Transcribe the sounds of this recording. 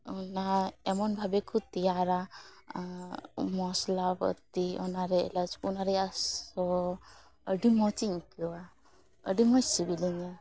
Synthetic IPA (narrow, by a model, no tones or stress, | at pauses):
unaemɔnbʱabekut̪iaɾa | mɔslabə̰t̪iɔ̰naɾeḛlat͡ʃʰkunaɾɛasɔ | əɖimɔt͡ʃiŋkuwa | ə̰ɖimɔ̃t͡ʃsibiliɲɔ